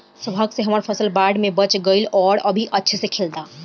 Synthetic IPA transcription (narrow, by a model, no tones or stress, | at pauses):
səbʱaːɡseɦɐmaːɾpʰɐsəlbaːɾɖmẽbɐt͡ʃɡəilɔːɾɐbʱiʔɐtːʃʰesekʰeːld̪aː